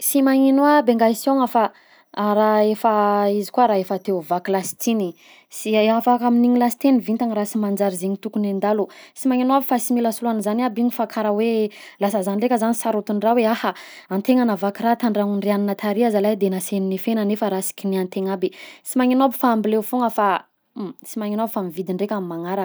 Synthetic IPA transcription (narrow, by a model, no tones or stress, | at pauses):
simaŋinuabeŋɡaisioŋafa | ɾaefaizi̥kuaɾaefat̪euvakilasi̥t̪ini | siafakaminiŋilasi̥t̪enivint̪aŋɾasimand͡zaɾizeɲit̪ukunend̪alusimaŋinuabifasimilasuluanzanabiɲifakʰaɾawe | lasəzanɖ͡ʐekəzanisaɾut̪unraweaha | ant̪eŋanavakiɾat̪aɳɖ͡ʐaŋuɳɖ͡ʐianinat̪ʰaɾiazalajd̪enaseninifenanefəɾasi̥kʲiniant̪eŋabesimaŋinabi̥faːmbilewfuŋəfa | simaɲinabfamivid̪iɳɖ͡ʐekʲamimaŋaɾak